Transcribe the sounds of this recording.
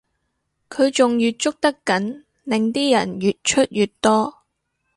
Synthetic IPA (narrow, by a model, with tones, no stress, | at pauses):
kʰɵ˨˧ɥt͡sʊ˨ŋjyː˨t̚t͡sʊ˥k̚t̪ɐ˥kːɐ˨˥n | lɪ˨ŋt̪iː˥jɐ̰˨˩njyː˨t̚t͡ʃʰɵ˥t̚jyː˨t̚t̪ɔː˥